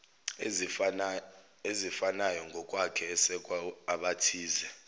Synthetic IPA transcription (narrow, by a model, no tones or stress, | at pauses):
ezifanajɔŋɡʱɔkʼwakʰɛːsɛkʼwaaɓatʰiːzɛ